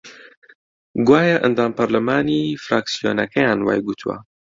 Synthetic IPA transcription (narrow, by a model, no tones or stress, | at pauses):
ɡwaːjɐʔɐ̰nd̪aːmpɐɾlɐmaːnifɾaːksijoːnɐkʰɐjaːnwa̰ːjɡut̪ʰuwɐ̰